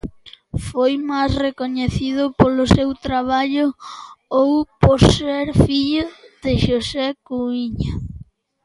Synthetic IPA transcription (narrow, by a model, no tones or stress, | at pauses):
fojmasrekoɲeθiðʊpolʊsewt̪ɾaβ̞aʎʊowpoɾseɾfiʎʊðeʃosɛkuiɲa